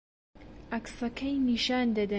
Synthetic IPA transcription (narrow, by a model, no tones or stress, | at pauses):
ʔɐksɐkʰɐjniːʃaːnd̪ɐd̪ɐ